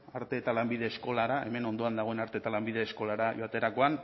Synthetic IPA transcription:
aɾt̪e̞ːt̪alambiðe̞ːsko̞laɾae̞me̞no̞nd̪o̞and̪aɣ̞o̞e̞naɾt̪e̞t̪alambiðe̞ːsko̞laɾajoat̪e̞ɾako̞an

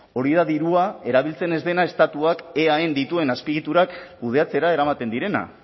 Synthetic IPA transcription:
o̞ɾiðaðiɾuae̞ɾaβ̞ilt͡se̞ne̞zd̪e̞nae̞st̪at̪uake̞aend̪it̪ue̞naspiɣit̪uɾakkuð̞e̞at͡se̞ɾae̞ɾamat̪e̞nd̪iɾe̞na̰

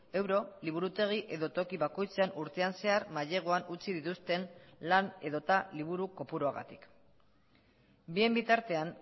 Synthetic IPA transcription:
e̞wɾo̞liβ̞uɾut̪e̞ɣ̞iʔe̞ðo̞t̪o̞kiβako̞jt͡seanuɾt̪e̞anse̞aɾmaʎe̞ɣ̞oanut͡siðit̪ust̪e̞nlane̞ðo̞t̪aliβ̞uɾuko̞puɾoaɣa̰t̪i̥k | bie̞mbit̪aɾt̪e̞an

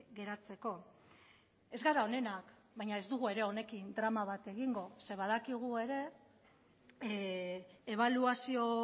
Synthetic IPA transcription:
ɡe̞ɾat͡se̞ko̞ | e̞zɣaɾao̞ne̞nak | bajɲae̞zd̪uɣ̞ue̞ɾe̞o̞ne̞kind̪ɾamaβ̞at̪e̞ɣiŋɡo̞se̞βaðakiɣ̞ue̞ɾe̞ | eβ̞aluasio̞

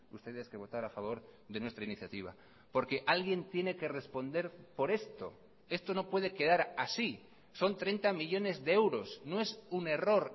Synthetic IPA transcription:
ust̪e̞ðeske̞β̞o̞t̪aɾafaβ̞o̞ɾðenwe̞st̪ɾainiθjat̪iβ̞a̰ | po̞ɾke̞ʔalɣje̞nt̪je̞ne̞ke̞re̞spo̞nd̪e̞ɾpo̞ɾe̞st̪o̞̰ | e̞st̪o̞no̞pwe̞ðe̞ke̞ðaɾasi | so̞nt̪ɾe̞nt̪amiʎo̞ne̞zðeewɾo̞snoe̞sune̞ro̞ɾ

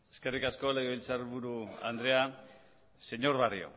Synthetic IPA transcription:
e̞̥ske̞rikasko̞leɣiβilt͡saɾβuɾua̰nd̪ɾea | se̞ɲo̞ɾβarḭo̰

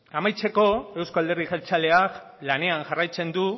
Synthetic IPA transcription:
amajt͡se̞ko̞e̞wskoald̪erðiʝelt͡sale̞ak | lane̞anʝarajt͡se̞nd̪u

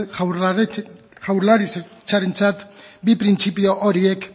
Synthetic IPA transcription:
xawɾlaɾist͡ʃaɾent͡sat̪bipɾint͡sipio̞ʔoɾiek

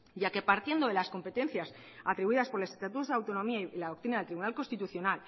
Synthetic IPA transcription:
ɟ͡ʝake̞paɾt̪je̞nd̪o̞ðe̞lasko̞mpe̞t̪e̞nθjas | at̪ɾiβuiðaspo̞ɾle̞sest̪at̪ut̪o̞zðeawt̪o̞nõ̞miaiilaðokt̪ɾinaðelt̪ɾiβunalko̞nst̪it̪uθjo̞nal

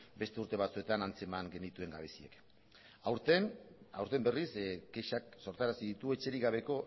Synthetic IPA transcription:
be̞st̪e̞uɾt̪e̞β̞at͡sue̞t̪anant͡se̞maŋɡe̞nit̪ue̞ŋɡaβe̞sie̞̰k | at̪enawɾt̪e̞mbe̞risɡeʃakso̞ɾt̪aɾasiðit̪ue̞t͡ʃe̞ɾiɣaβe̞ko̞

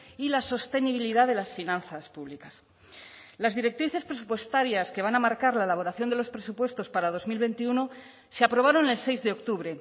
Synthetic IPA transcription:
ilaso̞st̪e̞niβ̞iliðaðe̞lasfinãnθaspuβlikas | lazðiɾe̞k̚t̪ɾiθespɾes̬upwe̞st̪aɾjaske̞β̞anamaɾkaɾlaelaβo̞ɾaθjo̞nd̪e̞lo̞spɾesupwe̞st̪o̞spaɾað̞o̞zmilβe̞nt̪iuno | seapɾo̞β̞aɾo̞ne̞lse̞jzðeokt̪uβɾe̞

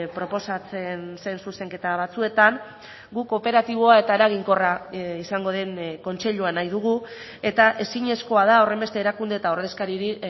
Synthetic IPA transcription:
pɾo̞po̞sat͡sense̞nsuse̞ŋke̞t̪aβ̞at͡sue̞t̪aŋ | ɡuko̞pe̞ɾat̪iβ̞o̞ae̞t̪ae̞ɾaɣ̞iŋko̞raisaŋɡo̞ð̞e̞nko̞nt͡se̞ʎuanajðuɣ̞u | e̞t̪aʔe̞siɲe̞sko̞að̞ao̞re̞mbe̞st̪e̞ːɾakund̪eːt̪ao̞ɾð̞e̞skaɾiɾi

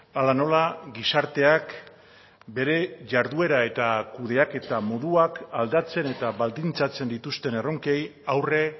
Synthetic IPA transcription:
alano̞laɡisaɾt̪e̞ak | be̞ɾe̞ʝaɾðue̞ɾae̞t̪akuðe̞ake̞t̪amo̞ðuakald̪at͡se̞ne̞t̪aβald̪int͡sat͡se̞nd̪it̪ust̪e̞ne̞ro̞ŋke̞jawre̞

